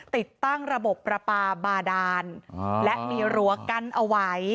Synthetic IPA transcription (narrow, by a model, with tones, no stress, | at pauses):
t̪i˨˩t̪ːa˥˩ŋɾa˧bo˨˩pːɾa˧paː˧baː˧daː˧nlɛ˦˥ʔmiː˧ɾu˦ɐka˧nʔa˧wa˦˥j